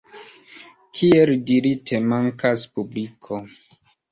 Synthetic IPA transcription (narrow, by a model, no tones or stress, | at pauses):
kʰieldiɾitʰemaŋkaspublikʰo